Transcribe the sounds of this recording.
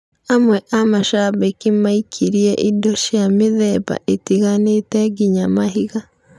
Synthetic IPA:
amwɛʔamaʃabekimaikʰiɾiɛʔidɔʃijameðɛba̰ʔetiɣanetɛɡiɲamaɦiɣa

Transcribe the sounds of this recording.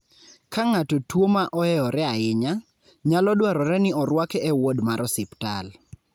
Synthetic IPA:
kaŋatotwomaʔɔɛɔɾɛaɪɲa | ɲalɔdwaɾɔɾɛnɪɔɾwakɛɛwodmaɾɔsɪptal

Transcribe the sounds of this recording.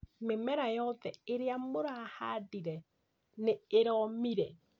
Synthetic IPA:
memɛɾajɔðɛeɾeamoɾahadiɾɛ | neeɾɔmiɾɛ

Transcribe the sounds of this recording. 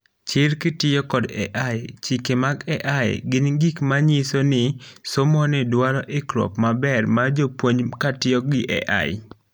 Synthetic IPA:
t͡ʃɪɾkɪtɪjɔkɔdɛ̰ʔaɪt͡ʃikemaɡɛʔaj̰ɡɪnɡikmaɲisonɪsomɔnɪdwaɾɔʔɪkɾɔ̰pmabɛrmad͡ʒopwoɲkatɪjɔɡɪʔɛ̰ʔa̰ɪ̰

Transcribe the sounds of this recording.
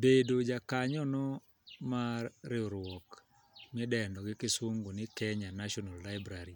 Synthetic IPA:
bedod͡ʒakaɲɔnɔ | marːɪɔɾwɔk | mɪdɛndɔɡɪkɪswoŋɡonɪkɛɲanaʃɔnalːaɪbɾaɾi

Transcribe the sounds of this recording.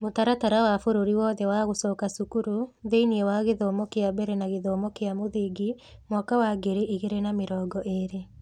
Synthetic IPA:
motaɾataɾawafoɾoɾiwɔːðɛwaɣosɔːkasukuɾuðeiniewaɣeðɔːmɔkeabɛɾɛnaɣeðɔːmɔkeamoðeːɡi | mwakawaɡeɾeʔiɣeɾenameɾɔːɡɔʔeɾe

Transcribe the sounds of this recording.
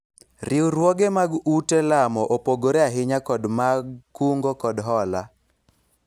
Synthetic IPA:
rɪuɾwɔɡemaɡutelamɔʔopoɡoɾeaɦɪɲakɔdmaɡkuŋɡokɔdɦɔla

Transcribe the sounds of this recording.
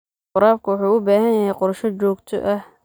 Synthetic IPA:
qʊɾaːb̚kʰʊwʊħuːʊbaːhɐnjɐɦɛjqʊɾrʃɔt͡ʃɔːɡt̪ʰɔ̰ʔɐh

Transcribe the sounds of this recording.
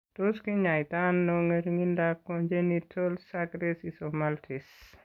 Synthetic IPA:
toskiɲajtanːoŋeɾŋindakːɔnd͡ʒenitʰolsaɡɾesisomaltʰis

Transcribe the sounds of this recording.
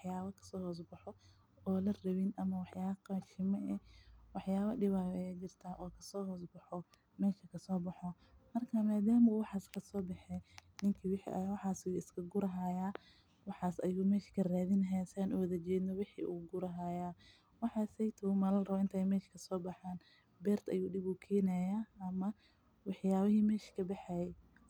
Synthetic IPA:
wɑħjaːβɐkʰɐ̥sɔːhɔːs̬bɐħɔ | ɔːlɐrɐβɪnʔɐmɐwɑħjaːβɐqaːʃɪmɐʔɛwɑħjaːβɐɖɪβaɛt͡ʃɪrt̪ʰaːʔɔːkʰɐ̥sɔːɦɔːsbɐħɔ | mɛːʃɐkʰɐsɔːbɐħɔ | mɐrkʰɐmaːd̪aːmɐuːwɑħɑːskʰɐsɔːbɛħɛnɪŋkʰiːwɪħḭʔɐwɑħɑːsɪjuːɪskʰɐɡʊɾɐɦaːjaː | wɑħɑːsɐjuːmɛːʃkʰɐraːðɪnɐɦɛsaːnʔʊwɐðɐt͡ʃɛːd̪nɔwɪħḭʔuːɡʊɾɐɦaːjaː | wɑħɑːsɛjt̪ʰɐʊmɐlɐrɐβɔɪnt̪ʰɐjmɛːʃkʰɐsɔːbɑħaːn | bɛːrt̪ʰɐ̰juːɖɪβuːkʰɛːnɐjaːɐmɐ | wɑħjaːβɐɦiːmɛːʃkʰɐbɛħɛjɛ

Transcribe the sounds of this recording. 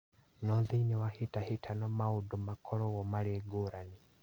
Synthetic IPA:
nɔðinɛwahitaɦitʰanɔmaudɔmakʰɔɾɔɣɔmaɾiɛɡoɾani

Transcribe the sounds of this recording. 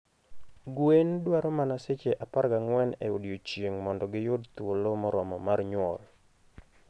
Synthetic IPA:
ɡwendwaɾɔmanaset͡ʃeʔapaɾɡaŋwɛnḛodjot͡ʃjeŋmɔndɔɡɪjʊdt̪wolomɔɾɔmɔmarɲwɔ̰l

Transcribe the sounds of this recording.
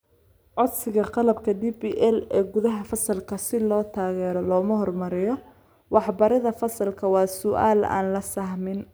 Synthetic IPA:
ʔɔd̪sɪɣɐqɑlɐbkʰɐdibiʔɛlɛːɡʊðɐɦɐfɐsɐlkʰɐsɪlɔːt̪ʰaːɣɛːɾɔlɔːmɐɦɔrmɐɾɪjɔ | wɑħbɐɾɐðɐfɐsɐlkʰɐwɑːsʊʔa̰ːla̰ːnlɐsɐhmɪn

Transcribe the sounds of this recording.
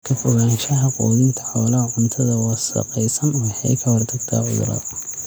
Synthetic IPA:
kʰɐfɔɣaːnʃɐɦɐqɔːðɪnt̪ʰɐ̥ħɔːlɐɦɐʕʊnt̪ʰɐðɐwɑːsɐ̰qɛjsɐnwɑħɑjkʰɐwɑrt̪ʰɐɡt̪ʰa̰ːʕʊ̰ðʊ̰ɾɐ̰

